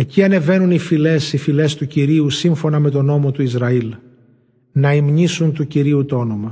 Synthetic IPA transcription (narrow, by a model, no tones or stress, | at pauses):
e̞ciɐne̞ve̞nunifile̞sifile̞st̪uciɾiusiɱfo̞nɐme̞t̪o̞no̞mo̞t̪uizɾɐil | nɐimɲisunt̪uciɾiut̪oo̞no̞mɐ